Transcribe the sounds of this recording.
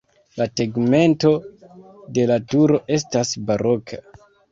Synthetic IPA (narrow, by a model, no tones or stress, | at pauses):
lateɡme̞nto̞ | de̞latuɾo̞ʔe̞s̬tasbaɾo̞kʰa